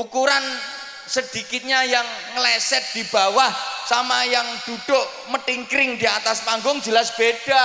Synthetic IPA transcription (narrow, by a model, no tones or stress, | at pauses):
ukuɾan | səd̪̥i̤kɪt̪̚ɲajaŋːəlɛsɛt̪̚d̪̥i̤b̥a̤wahsamajaŋd̪̥ṳd̥ʊʔ | məʈiŋkɾɪŋd̥̪iat̪aspaŋɡʊŋd͡ʒəlasb̥ed̥a̤